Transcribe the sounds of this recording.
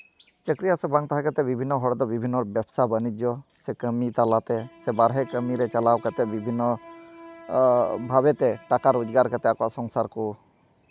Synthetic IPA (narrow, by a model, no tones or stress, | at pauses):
t͡ʃəkɾijasɛbaŋt̪aɦãkat̪ɛbibʱinːɔɦɔɽd̪ɔbibʱinːɔɾbjɛbsabənid͡ʒɔsɛkəmit̪alat̪ɛsɛbaɾɦɛkəmiɾɛt͡ʃalawkat̪ɛbibʱinːɔ | bʱabɛt̪ɛʈakaɾud͡ʒɡaɾkat̪ɛakɔaʔsɔŋsaɾkɔ